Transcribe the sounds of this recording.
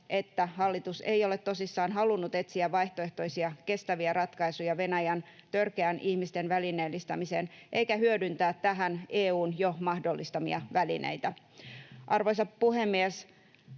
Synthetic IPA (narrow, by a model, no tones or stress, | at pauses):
et̪ːæhɑlːit̪usḛio̞let̪to̞sisːɑːnɦɑlunːut̪e̞t̪siæʋʋɑiht̪oeht̪o̞isiɑke̞st̪æʋiærɑt̪kɑisujɑʋe̞næjænt̪ørkeænʔihmist̪enʋælineːlːist̪ɑmiseːnʔeikæhyødynt̪æːt̪t̪æɦæneːuːnjomɑhdolːist̪ɑmḭɑ̰ʋælḭnḛit̪æ | ʔɑrʋoisɑppuhemːies